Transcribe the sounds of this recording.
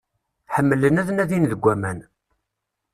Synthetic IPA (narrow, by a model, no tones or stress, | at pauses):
ħəmːələnæðənæðinðəɡʷːæmæn